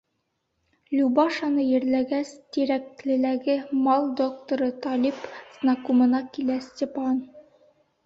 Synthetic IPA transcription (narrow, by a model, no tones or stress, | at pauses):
lʲubɑʃɑnɤjɘ̆ɾlæɡæst̪iɾæk̚lɘ̆læɡɘmɑlˠd̪ok̚t̪oɾɤt̪ɑlipz̥nɑkumɤ̆nɑkilæsʲtʲepɑn